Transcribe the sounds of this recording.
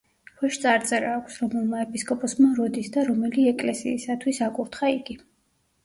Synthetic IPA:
χʰwɛʃt̪sʼaɾt̪sʼɛɾaːkʷʰsɾɔmɛlˠmaɛpʼiskʼɔpʼɔsmaɾɔd̪isd̪aɾɔmɛliɛkʼlɛsḭːsat̪ʰwisakʼuɾt̪χaiɡi

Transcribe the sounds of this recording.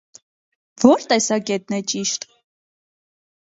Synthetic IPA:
vɔɾt̪ɛsɑkɛt̪nɛt͡ʃiʃt̪

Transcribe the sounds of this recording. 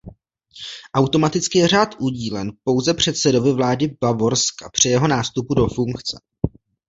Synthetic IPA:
ʔawt̪o̞mat̪ɪt͡skɪjɛr̝aːt̪ʔuɟiːlɛnpo̞wzɛpr̝̥ɛt̪sɛdo̞vɪvlaːdɪbavo̞ɾskapr̝̥ɪjɛɦo̞naːst̪upudo̞fuŋkt͡sɛ̥̰

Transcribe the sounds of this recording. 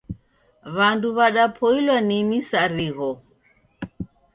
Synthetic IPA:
βanduβaɗapʰɔilwanimisaɾiɣɔ

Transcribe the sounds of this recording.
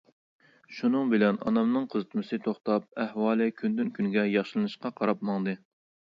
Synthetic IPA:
ʃunɨŋbɪlɛnɑ̰nɑmnɨŋqʰəzɨt̪mɨsɨt̪ʰoχt̪ɑp̚ɛhwɑːlˠɨkʲʰynd̪ynkʲʰynɡʲɛjɑχʃilˠɨnɨʃqɑqʰɑɾɑp̚mɑŋd̪ɨ

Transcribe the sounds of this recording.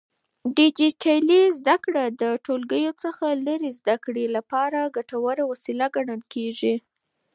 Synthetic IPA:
ɖɪd͡ʒiʈʰalizd̪akɽad̪əʈolɡəjot͡səxaləɾezd̪akɽelapɑɾaɡaʈawaɾawasilaɡaɳəlkeʐi

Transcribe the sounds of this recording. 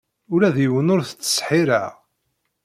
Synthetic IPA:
ʊɾæðjəwənʊɾθə̥t͡sːə̥sħiɾa̰ʁ

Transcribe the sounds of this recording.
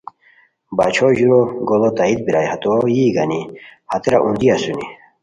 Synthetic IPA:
ba̰t͡ɕʰoʑuɾoɡolot̪ait̪̚biɾajhat̪ojiɡɐnihat̪eɾaʔund̪iasuni

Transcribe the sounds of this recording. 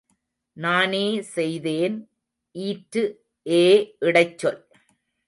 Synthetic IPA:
naːneːsɛjðeːn | ʔiːʈɾɯ | ʔeːʔɪɽɐɪt͡ʃːɔl

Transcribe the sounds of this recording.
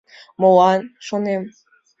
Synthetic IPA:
mowɑnʃonem

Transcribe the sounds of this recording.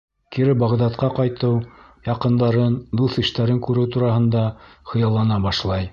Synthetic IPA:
kiɾɘbɑʁd̪ɑt̪qɑqɑjt̪ɤw | jɑqɤ̆nd̪ɑɾɤnd̪uθɘ̆ʃt̪æɾɘŋkʉɾɘwt̪uɾɑhɤ̆nd̪ɑχɤ̆jɑlˠːɑnɑbɑʃlˠɑj

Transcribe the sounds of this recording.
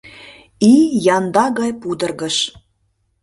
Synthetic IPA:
ijɑnd̪ɑɣɑjpud̪ərɣəʃ

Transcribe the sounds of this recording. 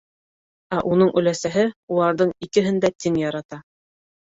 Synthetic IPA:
æʔunɤɴʔɵ̆læsæɦɘulˠɑɾðɤɴikɘ̆ɦɘnd̪æt̪ɘŋjɑɾɑt̪ɑ

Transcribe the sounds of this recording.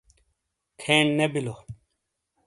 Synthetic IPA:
kʰeɳnebilo

